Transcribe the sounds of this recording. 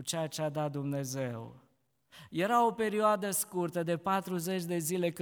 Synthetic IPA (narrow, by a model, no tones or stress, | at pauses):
t͡ʃeat͡ʃead̪at̪̚d̪umne̞ze̞w | je̞ɾao̞pe̞ɾioad̪əskurt̪əd̪e̞pat̪ɾuze̞t͡ʃʲd̪e̞zile̞kɨ